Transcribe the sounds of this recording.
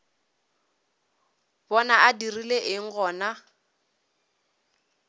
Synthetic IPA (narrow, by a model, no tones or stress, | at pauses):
bɔnaʔadirileʔɪŋ̩ɣɔːna